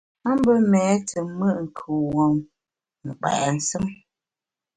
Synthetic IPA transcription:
a˦m˦bə˦mɛː˨˦tʰə˨mə˦˨ʔŋ̩˨kʰu˨wo˨ŋ | nɨ˨k͡pa̰˨ʔɛ˨n̩˦sɨ˦m

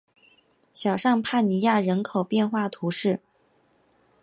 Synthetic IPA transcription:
ɕjɑ˨˩ʊʂɑ˥˧ŋpʰa˥˩ni˧˥ja˥˩ɻə˧˥nkʰo˨˩ʊpjɛ˥˧nxwa˥˩t̪ʰu˧˥ʂɻ̩˥˩

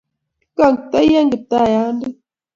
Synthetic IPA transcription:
ka˦˨ŋta˦jɛ˦ŋɡə˨ta˦˨ja˨˦ndə˦

